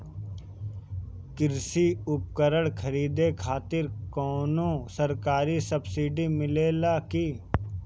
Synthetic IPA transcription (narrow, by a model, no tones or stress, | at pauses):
kɪɾsiʊp̚kəɾəɽkʰɐɾiːd̪ekʰaːt̪ɪɾkɔːnõsɐɾkaːɾisɐbsiːɖimɪleːlaki